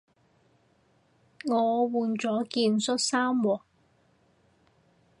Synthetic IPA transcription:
ŋɔː˨˧wuː˨˧nt͡sɔː˨˥kiː˧nsɵ˥t̚saː˥mwɔː˨˩

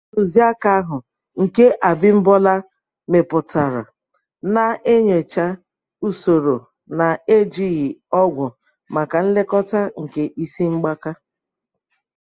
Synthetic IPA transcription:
u˨zi˦a˦ka˦a˦ɦʊ˨ | ŋ̩˨ke˦ʔa˨bɪ˦m̩˦bɔ˦la˦ | me˨pʊ˨ta˨ɾa̰˨ | na˨e˦ɲe˨t͡ʃa˦ | u˦so˨ɾo˨ | na˨e˦d͡ʒi˦ɣi˨ɔ˦ɡʷʊ˨ | ma˨ka˨n̩˦le˦kɔ˦ta˦ŋ̩˨ke˦ʔi˦si˦ŋ͡m̩˦ɡ͡ba˦ka˦

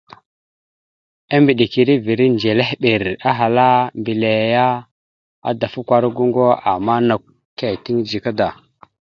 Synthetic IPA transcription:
a˦mbi˨ɗi˨ki˨ɾi˦vi˨ɾi˦nd͡ʒe˨le˦hɓi˨ɾa˦ɦa˨la˦mbi˨le˨ja˦ | a̰˦da˨fu˦kʷa˨ɾɡu˦ŋɡo˦a˨ma˦na˨k̚ | kːe˨ti˦ŋd͡ʒi˨ka˦da˨

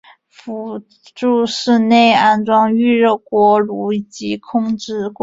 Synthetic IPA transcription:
fu˧˥˩ | ʈ͡ʂu˥˧ʂɻ̩˥˧ne˥˧ɪa˥nʈ͡ʂwɑ˥ŋy˥˧ɻɤ˥˩kwɔ˧˥ɻu˧˥t͡ɕi˧˥kʰʊ˥˧ŋʈ͡ʂɻ̩˥˧k

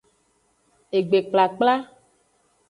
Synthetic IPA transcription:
e˨ɡ͡be˨k͡pla˨k͡pla˦

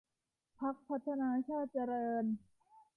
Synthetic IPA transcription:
pʰa˦˥k̚pʰa˦˥t̪ʰːa˧naː˧˥t͡ɕʰaː˥˩t̪̚t͡ɕa˧ɾɤː˧n

